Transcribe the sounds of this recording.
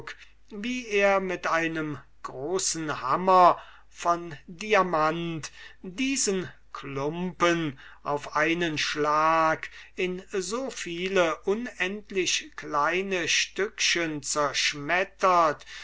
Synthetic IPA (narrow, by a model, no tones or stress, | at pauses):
k | viːeːɐmɪtʔaɪnəm | ɡ̥ʁoːsn̩hamɐ | fɔndiamantdiːzən | klʊmpənʔaʊfʔaɪnənʃlaːkɪnzoːfiːləʔʊnɛntlɪɕklaɪnəʃtʏkʃənt͡sɛɐʃmɛtɐt